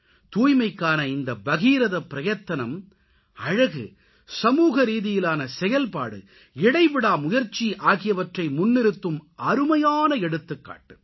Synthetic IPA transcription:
t̪uːjmɐɪkːaːnɐɪnd̪ɐbɐɣiːɾɐðɐpːɪɾɐjɐt̪ːɐnɐm | ɐɻɐɣɯ̰ | sɐmuːɣɐɾiːðɪjɪlaːnɐsɛjɐlpaːɽɯ̰ | ɪɽɐɪʋɪɽaːmʊjɐɾt͡ʃːiʔaːɣɪjɐʋɐʈrɐɪmʊnːɪɾɯt̪ːɯmʔɐɾɯmɐjaːnɐɛɽɯt̪ːɯkːa̰ːʈːɯ̥

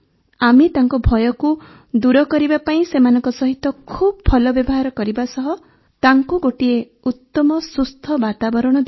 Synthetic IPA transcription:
amit̪aŋkɔbʱɔjɔku | d̪uɾɔkɔɾibapaĩsemanɔŋkɔsɔɦit̪ɔkʰubɔpʰɔlɔbjɔbɔɦaɾɔkɔɾibasɔɦɔ | t̪aŋkuɡoʈie | ut̪ːɔmɔsust̪ʰɔbat̪abɔɾɔɽ̃ɔd̪

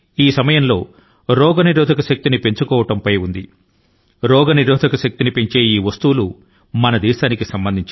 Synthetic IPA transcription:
iːsɐmɐjɐmlo̞ː | ɾɔːɡɐniɾɔːd̪ʱɐkɐʃɐk̚t̪inipe̞ɲt͡ʃukɔːʋɐʈɐmpɐjund̪i | ɾɔːɡɐniɾɔːd̪ʱɐkɐʃɐk̚t̪inipeɲt͡ʃe̞ːiːʋɐst̪uwulu | mɐnɐd̪iːʃaːnikisɐmbɐnd̪ʱiɲt͡ʃ

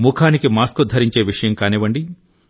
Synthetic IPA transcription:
mukʰaːnikimaːskud̪ʱɐɾiɲt͡ʃeːʋiʂɐjɐmkaːniʋɐɳɖi

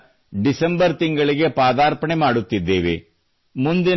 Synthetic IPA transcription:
ɖisɐmbɐɾt̪iŋɡɐɭiɡe̞paːd̪aːɾpɐɳemaːɽut̪ːid̪ːeːʋḛ | mund̪in

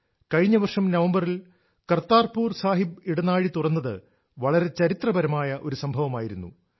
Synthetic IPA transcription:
kɐɻiɲːɐʋɐrʂɐmnɐʋɐmbɐril | kɐrt̪ːaːrpuːrsaːɦibiɽɐnaːɻit̪urɐnːɐðɨ̰ | ʋɐɭɐɾe̞t͡ɕɐɾit̪rɐbɐɾɐmaːjɐʔo̞ɾusɐmbʱɐʋɐmaːjiɾunːṵ

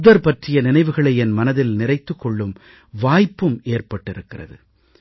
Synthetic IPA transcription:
ʊðɐɾpɐʈrɪjɐnɪnɐɪʋɯɣɐɭɐɪɛnmɐnɐðɪlnɪrɐɪt̪ːɯkːɔɭːɯm | ʋaːjpːɯmeːrpɐʈːɪɾɯkːɪrɐ̰ðɯ̰

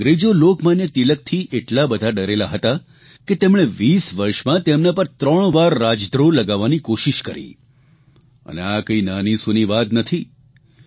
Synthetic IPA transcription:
ɡɾed͡ʒolokmanjət̪ilək̚t̪ʰiʔeʈlabəd̪ʱaɖəɾelaɦət̪a | ket̪emɽ̃eʋisʋəɾʃmãt̪emnapəɾt̪ɾəɳ̃ʋaɾːad͡ʒd̪ɾoləɡaʋːanikoʃiʃkəɾḭ | ə̰nḛakəinanisuniʋad̪nət̪ʰi

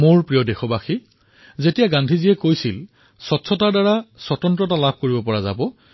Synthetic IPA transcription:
moɹpɹijɔdexɔbaxi | zetijaɡãndʱizijɛkojsil | sɔtsʰɔtaɹdaɹasɔtɔntɹɔtalab̚ʱkoɹibɔpɔɹaza̰bɔ

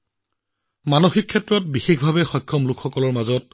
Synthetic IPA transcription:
manoxikʰːɛtɹɔt̚bixexbʱabɛxɔjkʰːɔmlʊkʰxɔkɔlɔɹmazɔt̚

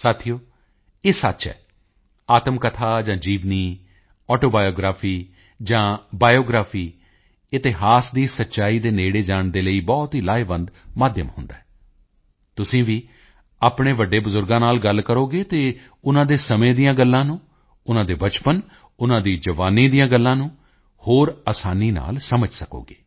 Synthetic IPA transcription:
saːt̪ʰijoː | eːsətːʃɛ̰ː | aːt̪əmkət̪ʰaːd͡ʒãːd͡ʒiːʋniː | ɔːʈoːbaːjoːɡɾaːfʰiː | d͡ʒãːbaːjoːɡɾaːpʰiː | ɪt̪ɪɦaːsd̪iːsətːʃaːiːd̪eːneːɽeːd͡ʒaːɳd̪eːləiːbɔːt̪ɦiːlaːebənd̪maːd̪jə̰mɦʊ̃nd̪a̰ːɦɛː | t̪ʊsĩːʋiː | aːpɳeːʋəɖeːbʊzʊɾɡãːnaːlɡəlkəɾoːɡeːt̪eː | ʊnãːd̪eːsəmẽːd̪ijãːɡəlːãːnũː | ʊnãːd̪eːbət͡ʃpən | ʊnãːd̪iːd͡ʒəʋaːnĩːd̪ijãːɡəlːãːnũː | hoːɾaːsaːniːna̰ːlsəməd͡ʒsəko̰ːɡeː

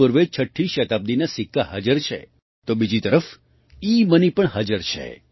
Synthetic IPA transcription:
əɾʋet͡ʃʰəʈʰːiʃət̪ab̚d̪inasɪkːaɦa̰d͡ʒəɾt͡ʃʰḛ | t̪obid͡ʒit̪əɾəf | imənipəɳɦad͡ʒəɾt͡ʃʰḛ

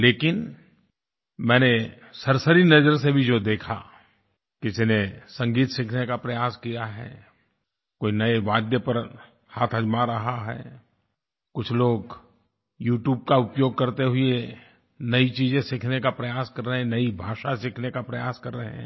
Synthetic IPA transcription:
leːkɪn | mɛ̃ːne | sɐɾsəɾinɐzəɾs̬ebʱid͡ʒoːd̪eːkʰa̰ | kɪsinesɐ̃ŋɡiːt̪sɪkʰnekapɾɐjaːskijaɦɛ̰ː | koːinɐeʋaːd̪jəpɐɾ | haːt̪ʰɐd͡ʒmaɾɐɦaɦɛ̰ː | kʊt͡ʃʰloːɡ | juːʈjuːb̚kaʊpjoːɡ̚kɐɾt̪eɦʊie | nɐit͡ʃiːzẽsɪkʰnekapɾɐjaːskɐɾːəɦɛ̃nɐibʱaːʃasɪkʰnekapɾɐjaːskɐɾːəɦɛ̰̃ː

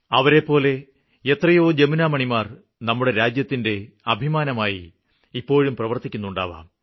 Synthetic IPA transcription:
ɐʋɐɾe̞pːo̞ːle̞ | et̪rɐjo̞ːd͡ʑeminaːmɐɳimaːr | nɐmːuɽe̞ɾaːd͡ʑjɐt̪ːinde̞ | ɐbʱimaːnɐmaːjḭ | ipːo̞ːɻumprɐʋɐrt̪ikʲːunːuɳɖa̰ːʋa̰ːm

